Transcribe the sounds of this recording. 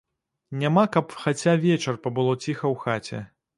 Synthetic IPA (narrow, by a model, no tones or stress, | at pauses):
nʲamakɐpxat͡sʲavʲɛt͡ʂɐrpɐbɨlˠɔt͡sʲixɐwxat͡sʲɛ̰